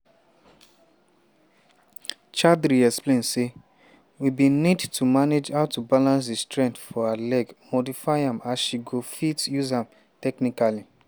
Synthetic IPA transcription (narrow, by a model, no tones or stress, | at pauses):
t͡ʃadɾiɛksplẽnse | wibinidtʰumaned͡ʒhaʊtubalãns̬destɹɛ̃ntfɔalɛɡmodifaɪãmasʃiɡofitjuzãm | tɛknikali